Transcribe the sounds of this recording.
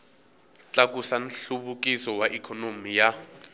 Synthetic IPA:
t͡ɬʼakʼusan̩ɬuβukʼisɔwaʔikʰɔnomija

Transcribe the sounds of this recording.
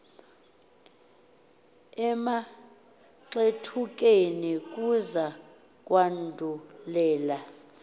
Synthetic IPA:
ɛma | ǁetʰuk̬ʼenik̬ʼuza | k̬ʼwandʱulɛːla

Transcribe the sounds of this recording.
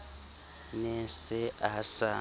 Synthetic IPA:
nɛsɪasa

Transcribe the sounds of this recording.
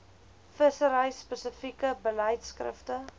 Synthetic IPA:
fəsəɾəjspəsəfikəbələjtskrə̰ftə

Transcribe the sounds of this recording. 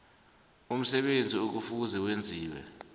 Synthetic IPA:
um̩sɛɓend͡zʱiok̬ufuzɛwend͡zʱiːwɛ̰

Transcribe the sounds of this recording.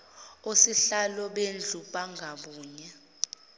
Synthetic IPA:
usiɬalɔɓend͡ɮʱuɓaŋɡʱaɓuːɲa

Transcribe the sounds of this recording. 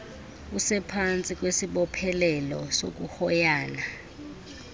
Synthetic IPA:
usɛpʰant͡sʼik̬ʼwesiɓɔpʰɛlɛlɔso̰k̬uhɔjaːna

